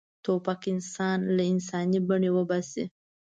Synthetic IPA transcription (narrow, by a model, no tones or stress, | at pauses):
t̪opɑkɪnsɑnlaɪns̬ɑnibaɳewəbɑsḭ